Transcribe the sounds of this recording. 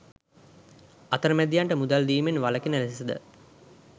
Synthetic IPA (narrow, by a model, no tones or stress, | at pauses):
at̪əɾəmæd̪ijaɳʈəmud̪ald̪iːmenʋaləkenəlesesəd̪ə̰